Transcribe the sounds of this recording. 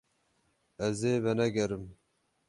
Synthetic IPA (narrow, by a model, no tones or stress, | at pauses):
ɛzeːvɛnɛɡɛɾɨm